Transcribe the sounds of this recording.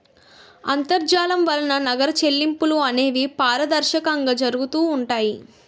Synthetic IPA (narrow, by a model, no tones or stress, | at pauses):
ɐ̰nt̪ɐɾd͡ʒaːlɐmʋɐlɐnɐnɐɡɐɾɐt͡ʃe̞lːimpuluɐneːʋipaːɾɐd̪ɐɾʃɐkɐŋɡɐd͡ʒɐɾuɡut̪uːɳʈaːji